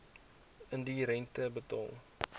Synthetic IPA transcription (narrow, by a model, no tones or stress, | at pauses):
əndiɾɛntəbətɑ̰ːlˠ